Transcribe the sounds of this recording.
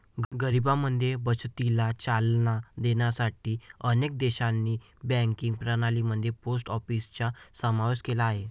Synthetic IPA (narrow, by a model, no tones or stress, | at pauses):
ɡəɾibaməd̪ʱjebət͡ɕt̪ilat͡ɕalnad̪eɳjasaʈiːənek̚d̪eɕanːiː | bɛ̃ŋkiŋɡpɾənaliməd̪ʱːjeposʈɔfist͡ɕasəmaʋeskelaːɦe